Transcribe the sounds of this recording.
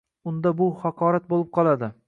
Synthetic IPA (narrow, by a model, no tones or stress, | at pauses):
ʊnd̪abʊhɑqʰɒɾat̪̚bolˠɪp̚qʰɒlˠad̪ɪ